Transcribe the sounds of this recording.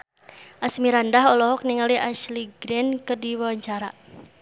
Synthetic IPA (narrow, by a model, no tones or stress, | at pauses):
ʔasmiɾandaɦɔlɔɦɔk̚niŋaliʔaʃliɡɾɛnkərdiwawaɲt͡ʃaɾa